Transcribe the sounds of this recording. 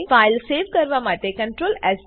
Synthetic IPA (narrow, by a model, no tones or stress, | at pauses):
faːɪlseːʋkɐɾʋamaːʈ̪ekɐ̃ɳʈɾoːlɛːz